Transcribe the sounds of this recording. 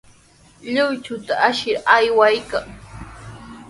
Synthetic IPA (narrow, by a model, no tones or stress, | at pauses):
ʎʊjt͡ʃʊt̪aaʃɪɾajwajkaŋ